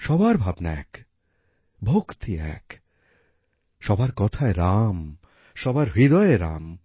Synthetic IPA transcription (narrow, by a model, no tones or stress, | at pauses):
ʃɔbaɾbʱabna̰ɛ̰k | bʱokt̪iɛ̰k | ʃɔbaɾkɔt̪ʰaeɾam | ʃɔbaɾvid̪ɔeɾa̰m